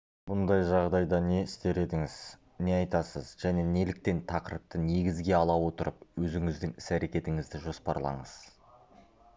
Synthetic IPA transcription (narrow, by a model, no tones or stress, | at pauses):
bʊnd̪ɑjʒɑʁd̪ɑjd̪ɑne̞ɪst̪e̞ɾe̞d̪ɪŋɪz̥ | ne̞ɑjt̪ɑsəzʒæne̞nelɪk̚t̪e̞nt̪ʰɑqəɾəp̚t̪əne̞ɡʲɪzɡʲe̞ɑlˠɑwo̞t̪əɾəpwɵzɪŋɪzd̪ɪŋɪsæɾe̞kʲe̞t̪ɪŋɪzd̪ɪʒo̞spɑ̰ɾlˠɑ̰ɴəz̥